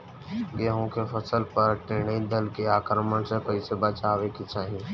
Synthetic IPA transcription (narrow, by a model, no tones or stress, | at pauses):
ɡeːɦõkefʰɐsəlpəɾʈeːɽ̃əid̪əlkeaːkɾəməɳsepəɪsebat͡ʃaːʋekit͡ʃaːɦĩ